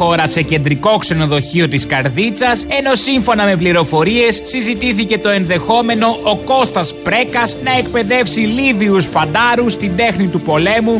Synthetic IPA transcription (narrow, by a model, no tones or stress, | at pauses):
o̞ɾɐse̞ce̞nd̪ɾiko̞kse̞no̞ðo̞çio̞t̪iskɐɾðit͡sɐse̞no̞siɱfo̞nɐme̞pliɾo̞fo̞ɾie̞sːizit̪iθice̞t̪o̞e̞nðe̞xo̞me̞no̞ʔoko̞st̪ɐspɾe̞kɐsnɐe̞k̚pe̞ðe̞fsiliviusfɐnd̪ɐɾust̪ind̪e̞xnit̪upo̞le̞mu